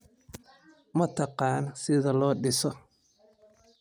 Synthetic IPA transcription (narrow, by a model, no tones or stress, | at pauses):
mɐt̪ʰɑqɑːnsɪðɐlɔːɖɪsɔ